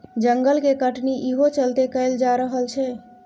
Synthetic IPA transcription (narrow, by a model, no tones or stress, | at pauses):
d͡ʒəŋɡəlkekəʈniʔiɦot͡ʃəlt̪ekəɪld͡ʒaɾəɦəlt͡ʃʰɛ